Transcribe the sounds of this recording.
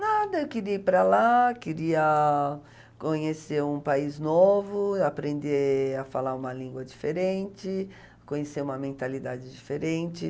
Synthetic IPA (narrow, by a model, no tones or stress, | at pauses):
nad̪ɐewkɪɾiɐipɾalakɪɾiɐ | kõɲeseɾũpaiznovʊapɾẽnd̪eafalaɾũmɐlĩɡwɐd͡ʒifeɾẽnt͡ʃɪ | kõɲeseũmɐmẽnt̪alid̪ad͡ʒɪd͡ʒifeɾẽnt͡ʃɪ